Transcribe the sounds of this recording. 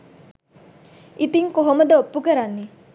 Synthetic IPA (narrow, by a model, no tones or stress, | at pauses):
it̪iŋkoɦoməd̪əopːukəɾanːi